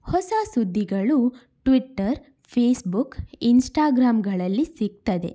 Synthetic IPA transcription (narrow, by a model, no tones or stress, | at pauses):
hɔsasud̪ʱːiɡɐɭu | ʈʋiʈːɐɾ | pʰeːsbukinsʈaːɡɾaːmɡɐɭɐlːisiɡ̚t̪ɐd̪e̞̰